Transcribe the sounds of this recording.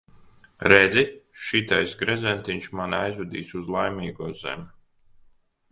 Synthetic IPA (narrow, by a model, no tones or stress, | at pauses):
ɾɛd̪zʲiʃit̪ajsɡɾɛzɛnt̪iɲʃmanajzud̪ḭːsuzlˠajmʲiːɡuɔzɛ̰mʲ